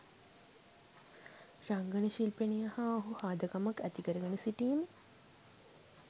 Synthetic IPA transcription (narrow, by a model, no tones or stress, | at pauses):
ɾaŋɡɐnəʃilpenijɐhaːɦuhaːd̪ɐkamɐkæt̪ikəɾəɡɐnesiʈiːm